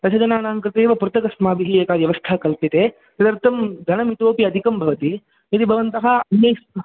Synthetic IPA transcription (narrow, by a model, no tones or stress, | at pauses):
t̪ɐt͡ʃʰɐd͡ʒɐnaːnaːŋkɾɪt̪eːʋɐpuɾt̪ɐkɐsmaːbiɦijɐkaːʋjɐʋɐst̪ʰakɐlpit̪e | sɐd̪ɐɾt̪ʰɐmd̪ʱɐnɐmit̪oːpiɐd̪ʱikɐmbʱɐʋɐt̪i | it̪ibʱɐʋɐnt̪ɐɦɐɐnjɐjsɐ